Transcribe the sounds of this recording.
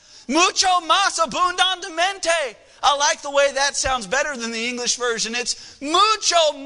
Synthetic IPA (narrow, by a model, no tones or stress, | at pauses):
mut͡ʃoʊmɑsəbũndə̃ndɨmɛ̃nteɪ | aɪlaɪk̚ðəweɪðɨtsãʊ̃ndzbɛɾə˞ðɨ̃nðiɪ̃ŋɡlɨʃvɜ˞ʒɨ̃nɨtsmut͡ʃoʊ